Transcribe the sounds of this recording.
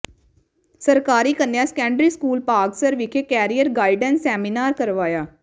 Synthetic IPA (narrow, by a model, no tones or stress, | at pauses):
səɾkaːɾiːkənejãːskɛ̃ːɳɖɾiːskuːlpaːɡsəɾʋɪkʰeːkɛːɾijəɾɡaːiɖənsɛːmiːnaːɾkəɾʋaːjaː